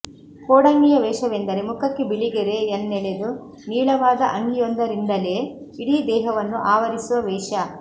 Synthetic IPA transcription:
koːɽɐŋɡijɐʋɛːʃɐʋend̪ɐɾemukɐkːebiɭiɡeɾeːnːɛɭed̪u | niːɭɐʋaːd̪ɐʔɐŋɡijond̪ɐɾind̪ɐle | iɽid̪ɛːɦɐʋɐnːuʔaːʋɐɾisuʋɐʋɛːʂɐ

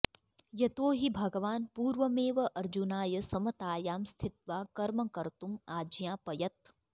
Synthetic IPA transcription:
jɐt̪oːɦibʱɐɡɐʋaːnpuːɾʋɐmeːʋɐʔɐɾd͡ʒunaːjɐsɐmɐt̪aːjaːmst̪ʰɪt̪̚ʋaːkɐɾmɐkɐɾt̪umaːd͡ʒjãːpɐjɐt̪̚

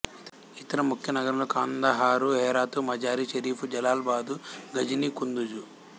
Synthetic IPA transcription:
it̪ɐɾɐmukʰjɐnɐɡɐɾɐlokaːnd̪aɦaːɾuɦɛːɾaːt̪umɐd͡ʒaːɾiʃɐɾiːpud͡ʒɐlaːlbaːd̪uɡɐd͡ʒinikund̪ud͡ʒu

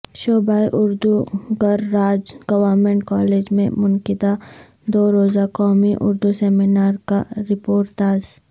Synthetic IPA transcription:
ʃoːbaːiʔʊɾd̪uɡəɾːaːd͡ʒɡ̥ɐwəɾmẽɳʈkɔːleːd͡ʒmḛ̃mʊnkɪd̪a | d̪oːɾoːzakɔːmiʔʊ̰ɾd̪useːminaːɾkaɾɪpoːɾʈ̪aːz

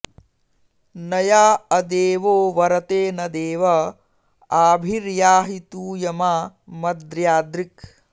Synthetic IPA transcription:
nɐjaːɐd̪eːʋoːʋɐɾɐt̪eːnɐd̪eːʋɐ | aːbʱiɾjaːɦit̪uːjɐmaːmɐd̪ɾjaːd̪ɾik

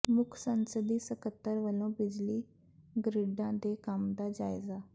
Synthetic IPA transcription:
mʊkʰsə̃nsəd̪isəkət̪ːəɾʋəlõbɪd͡ʑli | ɡɾɪɖãd̪ekamd̪ad͡ʒaːɪza

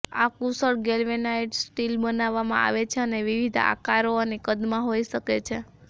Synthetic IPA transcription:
akusəɭɡelʋenaiʈsʈilbənaʋːamã̰a̰ʋet͡ʃʰeəneʋiʋid̪ʱa̰kaɾonikəd̪mãɦoiʃəket͡ʃʰe

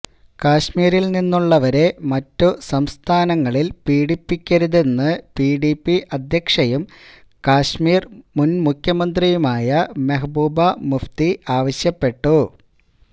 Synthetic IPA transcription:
kaːɕmiːɾilninːuɭːɐʋɐɾe̞mɐtːusɐmst̪ʰaːnɐŋːɐɭilpiːɽipːikʲːɐɾuðe̞nːɨpiːɽipːiʔɐd̪ʱjɐkʂɐjum | kaːɕmiːrmunmukʲʰjɐmɐnd̪rijumaːjɐmeɦɐbuːbɐmuft̪iʔaːʋɐɕjɐpːe̞ʈːu

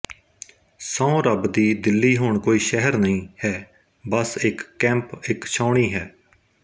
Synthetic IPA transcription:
sãõɾəbd̪iːd̪ɪlːiːɦoːɳkoːiːʃɛɦəɾnəĩːhɛː | bəsɪkːɛ̃ːmpɪkt͡ʃʰãːɳiːɦɛː

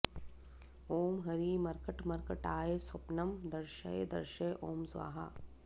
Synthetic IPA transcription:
oːmɦɐɾiːmɐɾkəʈmɐɾkɐʈaːesʊpnɐmd̪ɐɾʃɐ̰ed̪ɐ̰ɾʃɐʔoːmsʋa̰ːɦa̰ː

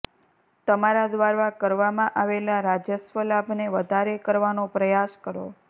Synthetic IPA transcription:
t̪əmaɾad̪ʋaɾʋakəɾʋamãʔaʋelaɾad͡ʒjəsʋəlabʱneʋəd̪ʱaɾekəɾʋanopɾəjaskəɾo̰

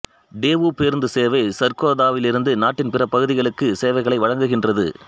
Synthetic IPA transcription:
ɖeːʋupeːɾnd̪ɯseːʋɐɪsɐɾkoːðaːʋɪlɪɾɯnd̪ɯnaːʈːɪnpɪrɐpɐɣɯðɪɣɐɭɯkːɯseːʋɐɪɣɐɭɐɪʋɐɻɐŋɡɯɣɪndrɐðɯ̰

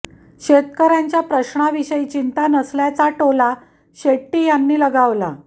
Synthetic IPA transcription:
ɕet̪kəɾjaɲt͡ɕjapɾəɕɳaʋiɕəit͡ɕint̪anəsljat͡saʈola | ɕeʈːiːjanːiːləɡaʋla̰

